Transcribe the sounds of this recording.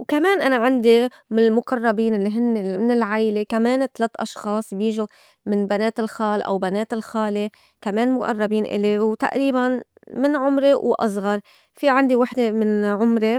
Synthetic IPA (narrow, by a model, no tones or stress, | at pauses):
wkameːnʔanaʕand̪i | mɪnɪlmʊqɑrˤːɑbiːnʔɪlːiɦɪnːemɪnɪlʕajlekameːnt̪alat̪ːʔɑʃxɑːsˤbjiːʒu | mɪnbaneːt̪ɪlxaːlʔa̰wbaneːt̪ɪlxaːle | kameːnmʊʔɑ̰rˤːɑbiːnʔɪ̰lewt̪a̰ʔɾiːban | mɪnʕʊmɾewʔɑ̰sˤɣɑɾˤ | fiʕand̪iwaħd̪emɪnʕʊmɾe